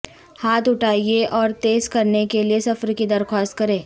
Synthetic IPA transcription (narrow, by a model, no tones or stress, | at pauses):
haːt̪ʊʈʰaːieʔɔːɾt̪eːzkɐɾnekeliesɐfɾkid̪ɐɾxɔːst̪̚kɐɾẽː